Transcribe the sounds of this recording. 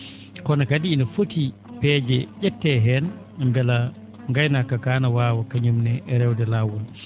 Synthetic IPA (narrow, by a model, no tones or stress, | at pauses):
kɔnakadiːnafoti | pɛːd͡ʒɛʄɛtːɛɦɛn | ŋɡala | ŋɡajnakːakaːnawaːwakaɲumnɛʔɛɾɛwdɛlawun